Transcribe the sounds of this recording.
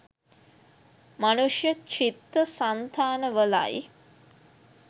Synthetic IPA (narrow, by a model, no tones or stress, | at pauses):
manuʂjət͡ʃit̪ːəsant̪ʰaːnəʋəla̰j